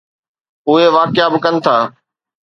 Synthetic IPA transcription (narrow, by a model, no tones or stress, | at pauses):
ʊɦeʋaːkɪjabɪkənɪ̆t̪ʰaː